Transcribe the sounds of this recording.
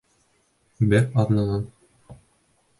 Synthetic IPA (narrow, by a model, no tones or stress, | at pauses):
bæqɑðnɑ̆ʁɑn